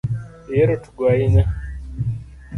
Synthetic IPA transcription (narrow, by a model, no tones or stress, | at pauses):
jeɾotuɡwaina